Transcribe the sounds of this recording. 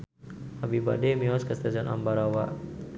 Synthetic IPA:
abiba̰dɛmiɔskəst̪azana̰mbaɾawa

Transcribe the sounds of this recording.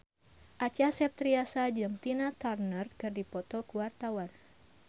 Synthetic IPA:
ʔat͡ʃasɛp̚t̪ɾiasad͡ʒɨŋt̪inat̪arnərkɨrdipɔt̪ɔkuwart̪awan

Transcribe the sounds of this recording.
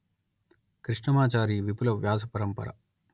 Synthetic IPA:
kɾiʂɳɐmaːt͡ʃaːɾiːʋipulɐʋjaːs̬ɐpɐɾɐmpɐ̰ɾɐ̰

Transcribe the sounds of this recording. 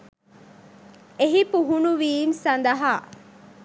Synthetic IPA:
eɦipuɦunuʋiːnsɐnd̪ɐɦaː

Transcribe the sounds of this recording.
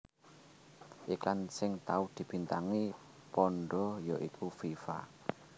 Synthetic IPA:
ʔiklansɪŋt̪aud̪̥i̤b̥i̤nt̪aŋi | pɔɳɖɔjɔʔikʰufifa̰

